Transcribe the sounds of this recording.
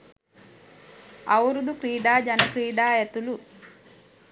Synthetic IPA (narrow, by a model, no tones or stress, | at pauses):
ɐwɾud̪ukɾiːɖaːd͡ʒɐnɐkɾiːɖaːjet̪ulu